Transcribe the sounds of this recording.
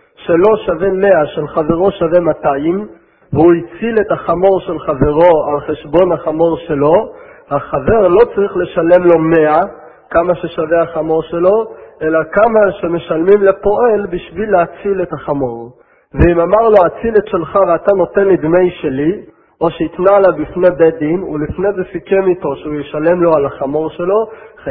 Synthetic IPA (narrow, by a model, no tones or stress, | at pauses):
ʃe̞lo̞ʃave̞me̞aʃelχave̞ʁo̞ʃave̞mataim | veuit͡sile̞thaχamo̞ʁʃe̞lχave̞ʁo̞alχe̞ʃbo̞naχamo̞ʁʃe̞lo̞ | haχave̞ʁlo̞t͡saʁiχle̞ʃale̞mlo̞me̞a | kamaʃe̞ʃave̞aχamo̞ʁʃe̞lo̞ʔe̞lakamaʃe̞me̞ʃalmimlepo̞ʔe̞lbiʃvileat͡sile̞t̪haχamo̞ʁ | veimamaʁlo̞at͡silet̪ʃe̞lχaveat̪ano̞t̪e̞nlid̪me̞jʃe̞li | o̞ʃeit̪nalabifne̞bed̪inulifne̞zefikemit̪o̞ʃeujeʃale̞mlo̞alaχamo̞ʁʃe̞lo̞